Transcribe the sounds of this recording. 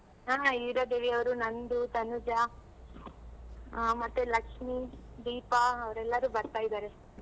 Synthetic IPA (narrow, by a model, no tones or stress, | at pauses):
ɦaːiʋɾɐd̪eʋiɐʋɐɾunɐnd̪ut̪ɐnud͡ʒa | mɐt̪ːelɐkʂmid̪iːpaɐʋɐɾɛlːɐɾuːbɐɾt̪aːjid̪aːɾe